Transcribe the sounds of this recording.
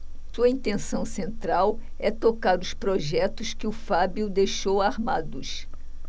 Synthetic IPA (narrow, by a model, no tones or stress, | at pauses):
suɐĩnt̪ẽsɐ̃w̃sẽnt̪ɾaw | ɛt̪okaɾʊspɾoʒɛt̪ʊskɪʊfabiʊd̪ejʃowaɾmad̪ʊs